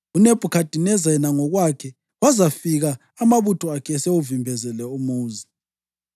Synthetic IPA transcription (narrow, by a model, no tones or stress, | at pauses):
uneb̥ʱukʰad̥ʱinɛzaɛnaŋɔɣwakʰɛ | wazafiɣaː | maβutʰɔakʰɛseuvimbʱɛzɛlɛumuːzi